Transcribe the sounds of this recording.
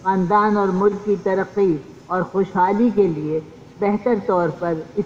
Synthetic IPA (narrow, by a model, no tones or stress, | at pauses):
xãːnd̪aːnɔːɾmʊlkːit̪ɐɾəqːi | ɔːɾxoːʃɦaːlik̬elie | bɛɦt̪əɾt̪ɔːɾpɐɾɪ